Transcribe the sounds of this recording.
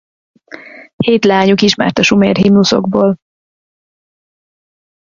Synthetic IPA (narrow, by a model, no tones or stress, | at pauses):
heːt̪laːɲukiʃma̰ːrt̪ɒʃumḛːrɦimnuso̞̰ɡboːl